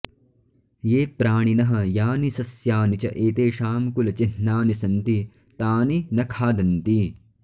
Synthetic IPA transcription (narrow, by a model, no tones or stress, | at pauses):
jeːpɾaːɳ̃inɐɦɐ̆jaːnisɐsjaːnit͡ʃɐʔeːt̪eːʃaːmkulɐt͡ʃinːaːnisɐnt̪i | t̪aːninɐkʰaːd̪ɐnt̪i